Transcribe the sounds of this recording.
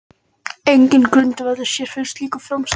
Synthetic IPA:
ejɲcɪnkɾʏnt̪ɪvaðʏ̥sjɛɾ̥fɪn̥st̪liːkḁfɾɔms

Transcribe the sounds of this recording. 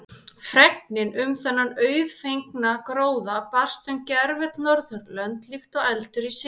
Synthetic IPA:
fɾɛk̚nɪnʏmθɛnːanœːɥðfejŋknakɾoːwðapar̥st̪ʏmcɛɾvɛt̪nɔɾθœɾlœnt̪lift̪ɔɣɛlt̪ʏɾisɪ

